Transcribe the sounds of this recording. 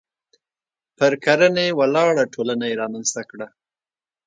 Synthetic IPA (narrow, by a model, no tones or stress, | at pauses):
pəɾkaɾənewalɑɽaʈʰolanajeɾɑmanst̪akɽa